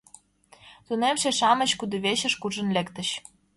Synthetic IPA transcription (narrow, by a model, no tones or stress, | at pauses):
t̪unemʃeʃɑmə̆ɕkud̪ŏβeɕə̆ʃkuʒə̆nlʲekt̪ə̆ɕ